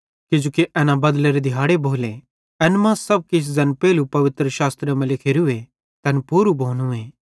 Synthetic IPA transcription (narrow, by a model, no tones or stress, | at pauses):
kɪ̃d͡ʒoːkiʔɛːnabɐd̪leɾed̪ʱɪɦaːɽeboːle | ɛnmãːssɐb̚kɪs̬zɐnpɛːlupɐʋɪt̪ɾəʃaːst̪ɾəmɐ̃lɪkʰeːɾue | t̪ɛ̃npuːɾubʱoːnũeː